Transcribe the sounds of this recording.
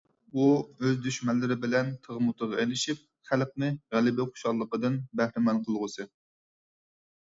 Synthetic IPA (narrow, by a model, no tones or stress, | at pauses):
uøzd̪yʃmɛnlːɪɾɪbɪlɛnt̪ʰəʁəmut̪ʰʊʁɑejlɪʃip̚ | χælq̚nɨʁælɪbɪχo̥ʃɑlˠːəqəd̪ɨnbæhɾɪmɛnqʰəlˠʁʊsɨ